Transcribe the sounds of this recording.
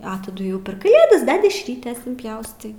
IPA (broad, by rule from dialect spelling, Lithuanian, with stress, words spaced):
ɐ tɐˈdʊ jɛʊ pʲɛr kɐˈlʲeːdɐs bʲɛ dʲɛʃʲˈrʲiːtʲeːs ɪnʲpʲˈjɛʊstɐɪ